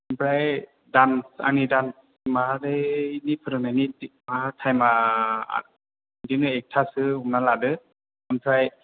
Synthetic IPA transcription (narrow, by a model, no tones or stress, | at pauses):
ɯnpʰɾaj | dansa̰ŋnidans | madenipʰɯɾɯnajnitmatʰajmaa̰ | diŋɯɛk̚tʰasɯumnaladɯ | ɯnpʰɾaj